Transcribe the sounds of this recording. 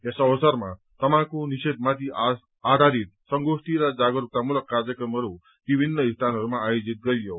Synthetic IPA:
jasːʋəsəɾma̰ | t̪əmãkuniɕed̪̚mat̪ia | ad̪ʱaɾit̪̚səŋɡoʂʈ̪iɾad͡zaɡɾuk̚t̪amuləkːaɾd͡ʑjəkɾəmɦəɾu | ʋibʱinːəist̪ʰanəɾumaːjod͡zit̪̚ɡəɭjo

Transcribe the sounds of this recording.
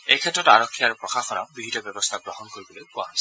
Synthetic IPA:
ejkʰɛtɹɔtaɹɔkʰːiaɹupɹɔxaxɔna̰bɹibʱitɔbjɔbɔst̪ʰaɡɹɔɦɔnkoɹibɔlojpʊa̰ɔjs

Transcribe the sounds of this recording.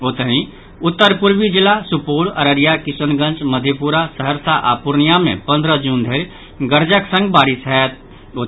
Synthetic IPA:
ot̪əni | ʊt̪ːəɾpuɾbid͡ʒɪlasupoːləɾəɾijakɪsənɡə̃nt͡ʃməd̪ʱepuɾasəɦəɾsaʔa̰ːpuɾnijamḛ̃pə̃nd̪ɾəd͡ʒuːnd̪ʱeːɾ | ɡəɾd͡ʒəksə̃ŋɡ̚baːɾɪsɦɛt̪̚ | o

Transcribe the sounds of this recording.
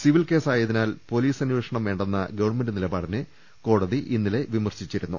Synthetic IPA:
siʋilke̞ːsaːjɐðinaːlpo̞liːsɐnjeːʂɐɳɐmʋe̞ːɳɖenːɐɡɐʋɐɳmendɨnilɐbaːɽinɨ | ko̞ːɽɐðiʔinːile̞ʋimɐrɕit͡ɕːiɾunːu

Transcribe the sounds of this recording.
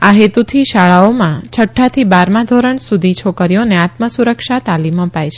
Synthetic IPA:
aɦet̪ut̪ʰiʃaɭaomãt͡ʃʰəʈʰːat̪ʰibaɾmãd̪ʱoɾəɳsud̪ʱit͡ʃʰokəɾjoneat̪məsuɾəkʃat̪aliməpajt͡ʃʰe̥

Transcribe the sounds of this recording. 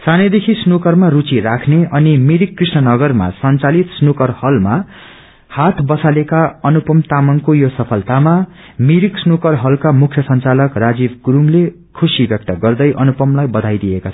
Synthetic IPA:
saned̪ekʰisnukʌrmarut͡sirakʰneʔʌnimiɾikːrisnʌnʌɡʌrma̰sʌnt͡salit̪snukʌrhʌlma | hat̪ʰbʌsalekaʌnupʌmt̪amʌŋkojosʌpʰʌlt̪ama | miɾiksnukʌrɦʌlkamukʰjʌsʌnt͡salʌkrad͡zibɡuɾuŋle | kʰusibjʌk̚t̪ʌɡʌrd̪ʌjʔʌnupʌmlajbʌd̪ʱajd̪iekat͡sʰ

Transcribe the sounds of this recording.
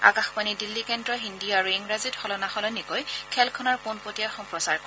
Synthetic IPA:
a̰kaxpanidilːikɛndɹɔɦindiaɹueŋɹazitxɔlɔnaxɔlɔnikɔjkʰɛlkʰɔnaɹponpotijaxɔmpɹɔsaɹk

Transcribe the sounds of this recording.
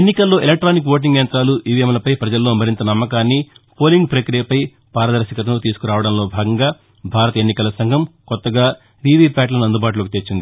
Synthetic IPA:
enːikɐlːo̞ːʔelek̚ʈɾaːnikʋo̞ːʈ̬iŋɡjɐnt̪ɾaːluʔiːʋiemɐlɐpɐjpɾɐd͡ʒɐlːo̞ːmɐɾint̪ɐnɐmːɐkaːnːipo̞ːliŋɡ̚pɾɐkɾijɐpɐj | paːɾɐd̪ɐɾʃɐkɐt̪ɐloːt̪iːsu̥kuɾaːʋɐɽɐmlo̞ːbʱaːɡɐŋɡaː | bʱaːɾɐt̪ɐenːikɐlɐsɐŋɡʱɐmkɔt̪ːɐɡaː | ɾiʋiːpʲaːʈlɐnuɐnd̪ubaːʈ̬ulokit̪et͡ʃːind̪i

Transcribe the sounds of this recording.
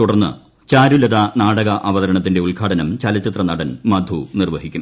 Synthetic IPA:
t̪uɽɐrnːɨ̰ | t͡ɕaːɾulɐðanaːɽɐɣɐʔɐʋɐðɐɾɐɳɐt̪̬ːinde̞uɭkʰaːɽɐnɐmt͡ɕɐlɐt͡ɕːit̪rɐnɐɽɐnmɐd̪ʱunirʋɐɦikʲːum

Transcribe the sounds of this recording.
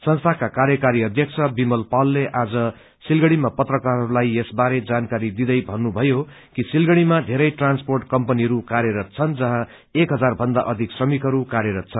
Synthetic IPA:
sʌnst̪ʰakakarjʌkaɾiʌd̪ʱjʌkt͡sʰʌbimʌlpalːeʔad͡zʌ | silɡʌɽ̃imapʌt̪rʌkarɦʌɾulajesbaɾed͡zankaɾid̪id̪ʌjbʱʌnːubʱʌjo | kisilɡʌɽ̃imad̪ʱeɾʌjʈransporʈkʌmpʌniʌɾukaɾjʌɾʌt̪̚t͡sʰʌnd͡zʌɦã | ekɦʌd͡zarbʱʌnd̪aʔʌd̪ʱiksrʌmikɦʌɾukaɾjeɾʌt̪̚t͡sʰʌn

